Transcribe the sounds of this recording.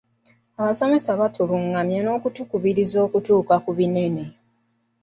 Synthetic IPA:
aβaso̞me̞saβatʰoβuŋːamjano̞ːkutukuβiɾizo̞ːkutuːkakuβine̞ne

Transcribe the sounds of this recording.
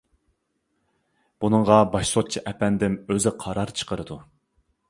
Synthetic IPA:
b̥unɨɴʁɑbɑʃsot̪̚t͡ʃʰiʔɛpɛnd̪ɪmøzɪqʰɑɾɑɾt͡ʃʰə̥qʰəɾɨd̪u

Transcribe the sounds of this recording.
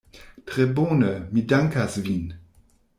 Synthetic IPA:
tʁ̥eboːnəmidaŋkasviːn

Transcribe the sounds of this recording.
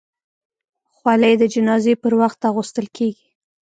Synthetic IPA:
xwaləjd̪əd͡ʒɪnɑzepəɾwaxt̪ɑɣust̪əlkʰeɡi

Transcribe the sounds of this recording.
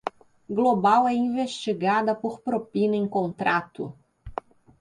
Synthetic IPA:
ɡlobawɛĩveʃt͡ʃiɡad̪ɐpoɾpɾopinɐẽkõnt̪ɾat̪ʊ̰

